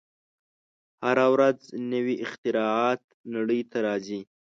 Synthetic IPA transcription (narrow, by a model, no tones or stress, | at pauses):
haɾawɾaznəwiʔɪxt̪ɪɾɑɑt̪̚naɽəjt̪ʰaɾɑzi